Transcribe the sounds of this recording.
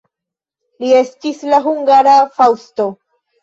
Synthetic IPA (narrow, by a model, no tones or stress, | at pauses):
lie̞stislaɦuŋɡaɾafawsto̞